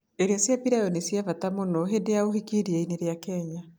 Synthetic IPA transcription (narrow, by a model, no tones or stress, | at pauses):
eɾeasjapiɾajɔnisjavatamonɔɦedeaohikiɾiɛineɾeakɛɲa